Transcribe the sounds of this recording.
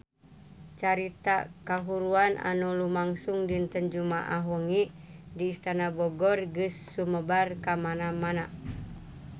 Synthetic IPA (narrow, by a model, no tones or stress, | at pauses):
t͡ʃaɾit̪akaɦuɾuanʔa̰nulumaŋsuŋdint̪ənd͡ʒumaʔaɦɔŋi | diːst̪anabɔɡɔrɡɨsːuməbarkamanamana